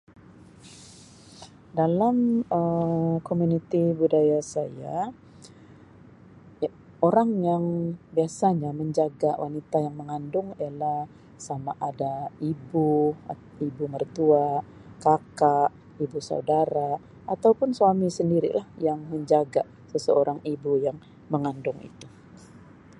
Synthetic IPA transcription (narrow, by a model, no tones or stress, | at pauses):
dalaməkomunit̪ibudajasaja̰ | oɾaŋjaŋbiasaɲaməɲd͡ʒaɡawanit̪ajaŋməŋandʊŋialah | samaʔadaibu | ibumərt̪ua | kakaʔ | ibusa̰udaɾaː | t̪awpʊnsuamisəndiɾḭlahjaŋməɲd͡ʒaɡa | səsəoɾaŋibujaŋ | məŋandʊŋḭt̪u